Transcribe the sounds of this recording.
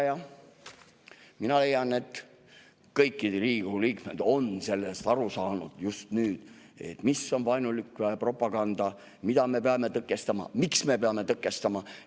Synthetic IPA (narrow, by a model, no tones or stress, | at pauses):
jɑ | minɑle̞jːɑne̞t̪ˑ | kɤjkːˑiɾiːɡuliːkme̞d̪̥o̞nse̞lːest̪ɑɾusɑːnud̪̥just̪nyːd̪̥ | e̞̰t̪ːmisːo̞nvɑjnulikːpro̞pːˑɑɡ̥ɑnd̪̥ɑ | mid̪̥ɑme̞peɑme̞t̪ɤkːˑe̞st̪ɑmɑ̰miksme̞peɑme̞t̪ɤkːˑe̞st̪ɑmɑ